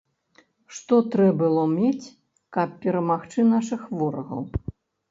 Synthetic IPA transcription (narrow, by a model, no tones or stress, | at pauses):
ʂt̪ɔt̪ɾɛbɨlˠɔmʲet͡sʲ | kɐp̚pʲɛɾɐmaxt͡ʂɨnaʂɨxvɔɾɐɣɐ̰w